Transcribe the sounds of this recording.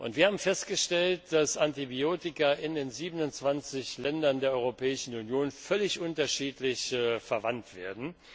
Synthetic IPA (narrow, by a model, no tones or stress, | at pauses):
ʔʊntv̥iːɐhaːbm̩fɛstɡ̥əʃtɛlt̚d̥asantibioːtɪkɐɪndeːnziːbənʊnt͡sv̥ant͡sɪçlɛndɐndeːɐʔɔʏʁopʰɛːɪʃn̩unjoːnfœlɪçʔʊntɐʃiːtlɪçfɛɐvantv̥eːɐdn̩